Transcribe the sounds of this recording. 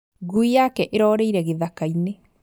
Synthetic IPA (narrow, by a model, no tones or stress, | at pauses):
ɣuijakɛʔeɾɔːɾeiɾɛɣeðakaine